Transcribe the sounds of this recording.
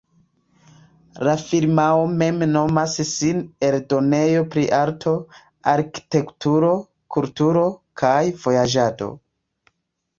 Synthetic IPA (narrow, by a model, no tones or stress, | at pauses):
lafiɾmaome̞mno̞massine̞ldo̞ne̞jo̞pɾiʔaɾtʰo̞ | aɾki̥te̞ktuɾo̞ | kultuɾo̞kʰajv̥o̞jad͡ʒado̞̰